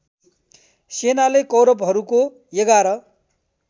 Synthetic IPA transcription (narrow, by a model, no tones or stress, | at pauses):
senalekʌwɾʌpɦʌɾuko | jʌɡaɾʌ